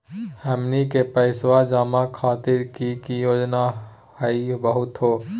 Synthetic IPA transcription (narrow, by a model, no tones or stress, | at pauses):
hɛːmnikepəɪswad͡ʒaːmakʰaːt̪ɪɾkikijoːd͡ʒna | həibəɦʊt̪ɦoː